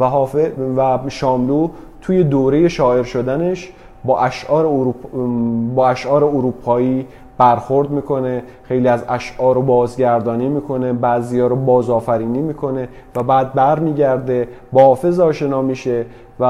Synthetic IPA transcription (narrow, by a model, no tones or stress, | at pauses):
æɦːevæʃɒːmlu | t̪ʰuːje̞d̪oːɾe̞je̞ʃɒːe̞ɾʃo̞d̪æne̞ʃ | bɒːʔæʃʔɒːɾeɾu | bɒːæʃʔɒːɾeoɾuːpʰɒːiː | b̥æɾxo̞ɾd̪miːkʰo̞ne | xe̞jliːæzæʃʔɒːɾobɒːzɟæɾd̪ɒːniːmiːkʰo̞ne̞bæzijɒːɾobɒːzɒːfæɾiːniːmiːkʰo̞ne̞ | væbæːd̪̚bæɾmiːɟæɾd̪e̞bɒːhɒːfe̞zɒːʃe̞nɒːmiʃe̞ | væ